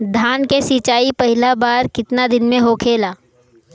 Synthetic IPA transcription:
d̪ʱaːnkesiːt͡ʃaːipɐɦɪlabaːɾkɪt̪nad̪ɪnmẽɦoːkʰeːlaː

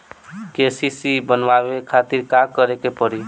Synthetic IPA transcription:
kesisibənwabekʰat̪iɾkakəɾekepəɾi

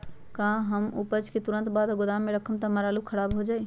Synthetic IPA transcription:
kãɦəmupət͡ʃket̪uɾənt̪bad̪ɡod̪amːeɾəkʰəmt̪aməɾalukʰəɾabɦod͡ʒaj

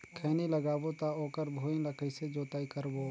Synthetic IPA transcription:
kʰɛːniləɡaːbot̪aoːkəɾbʱoːĩləkʰəised͡ʒoːt̪aːikəɾʋoː

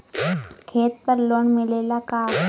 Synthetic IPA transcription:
kʰeːt̪̚pəɾloːɳmɪleːlakaː

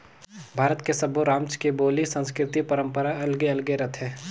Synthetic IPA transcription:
bʱaːɾət̪kesɐboɾãːmt͡ʃkeboːlisə̃nskɾɪt̪ipɐɾə̃mpəɾaɐlɡeɐlɡeɾɐt̪ʰɦẽː

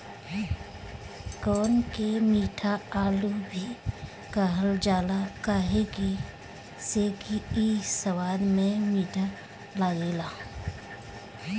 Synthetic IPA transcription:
kɔːnkemiːʈʰaaːlubʱi | kaɦəld͡ʒaːlakaːɦeki | sekiisəwaːlmẽmiːʈʰa | laːjeːlaː

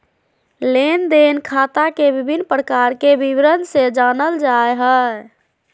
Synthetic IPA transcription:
lend̪enkʰat̪akebibʱinːpɾəkaɾkebiʋɾənsed͡ʒanəld͡ʒaeɦɛ

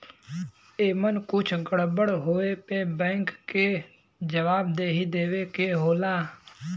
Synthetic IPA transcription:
eːmənkʊt͡ʃʰɡəɽbəɽɦoːeːpẽːbɛ̃ːŋkːeː | d͡ʒəʋaːbd̪eːɦid̪eːʋeːkeːɦoːlaː

